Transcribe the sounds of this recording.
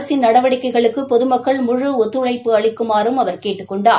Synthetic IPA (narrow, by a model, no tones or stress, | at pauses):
sɪnnɐɽɐʋɐɽɪkːɐɪɣɐɭɯkːɯpɔðɯmɐkːɐɭmʊɻɯɔt̪ːɯɭɐɪpːɯɐɭɪkːɯmaːɾɯmɐʋɐɾkeːʈːɯkkːɔɳɖaː